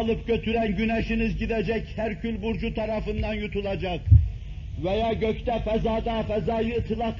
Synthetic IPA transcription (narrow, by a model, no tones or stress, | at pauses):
lˠɯpkʰʲøt̪ʰyɾɛnɡʲynɛʃinɪzɡʲid̪ɛd͡ʒɛkʲhæɾkʲʰylbuɾd͡ʒut̪ʰɑɾɑfɯnd̪ɑnjut̪ʰulˠɑd͡ʒɑq | vɛjɑːɡʲøkʲt̪ɛfɛzɑːd̪ɑfɛzɑːjɨt̪ʰːɨlˠɑq